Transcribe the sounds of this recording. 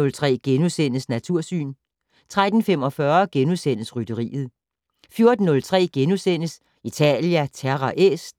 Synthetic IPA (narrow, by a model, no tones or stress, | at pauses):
ɔ̽lt͡sʰʁɛ̰ːɡ̥enusen̰əsnæt͡sʰuɐ̰sy̰ːn | t͡sʰʁad̥n̩fem̰ɒ̽fɶɐɡ̥enusen̰əsʁyd̥əʁḭːð̞̩ˠ | fjo̝ɐd̥n̩ːɔ̽lt͡sʰʁɛ̰ːɡ̥enusen̰əs | it͡sʰɛ̰ljæt͡sʰæɐʁɑʔesd̥